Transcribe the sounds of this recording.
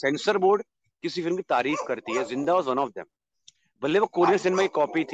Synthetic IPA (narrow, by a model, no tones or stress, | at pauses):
sɛ̃nsəɾboːɾɖ | kɪsiːfɪlmkiːt̪aːɾiːfkəɾt̪iːɦɛːzɪ̃nd̪aːɔːzʋə̃nɔːfd̪ɛ̰m | bəlːeːʋakoːɾɪəɾsɪnmaːkikɔːpiːt̪ʰi